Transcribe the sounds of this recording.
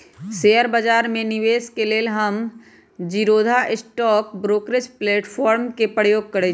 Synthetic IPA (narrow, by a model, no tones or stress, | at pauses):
seːəɾbəd͡ʒaːɾmẽnɪʋeːskeleːlɦɐm | d͡ʒiɾoːd̪ʱaʔɪsʈɔːkbɾoːkɾɪt͡ʃpleːʈpʰɔːɾmkepəjoːɡ̚kɐɾe